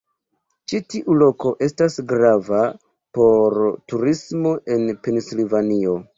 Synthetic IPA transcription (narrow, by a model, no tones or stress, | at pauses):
t͡ʃitiʔulo̞ko̞ʔe̞stasɡɾava | po̞ɾtuɾismo̞ʔe̞npe̞nsilivanio̞